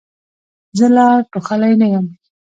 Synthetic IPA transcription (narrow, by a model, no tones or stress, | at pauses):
zəlɑʈoxalajnajam